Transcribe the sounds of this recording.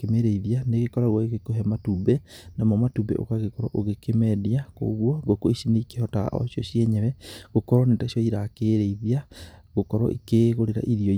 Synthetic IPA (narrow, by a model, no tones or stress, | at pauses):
kemeɾeiðianeɣekɔɾaɣwɔeɣekoɦɛmatubɛnamɔmatubɛ̰ʔo̰kaɣekoɾwa̰ʔoɣekemɛðiako̰ɣwɔɣokoisineikehɔta̰ʔɔ̰sjɔʃjɛɲɛβɛɣokɔɾwanetasijɔiɾakeɾeiðiaɣokɔɾwɔ̰ʔikeɣoɾeɾa̰ʔiɾiɔ